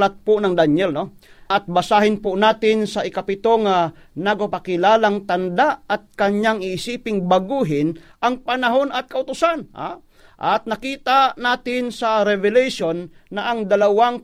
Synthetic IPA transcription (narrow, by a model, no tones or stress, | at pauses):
lat̪̚pʊnɐŋd̪aɲɛlno̞ | ʔɐt̪̚bɐsaːhɪnpʊnaːt̪ɪnsɐʔɪkɐpɪt̪oŋa | nɐɡ̚papakɪlaːlaŋt̪ɐnd̪aʔɐt̪̚kɐɲaŋɪʔːsiːpɪŋbɐɡuːɦɪnʔɐŋpɐnɐɦo̞nɐt̪̚kɐʊt̪ʊsanha̰ | ʔɐt̪̚nɐkiːt̪anaːt̪ɪnsɐɾɛvɛlɛjʃonːɐʔɐŋd̪ɐlɐwaŋ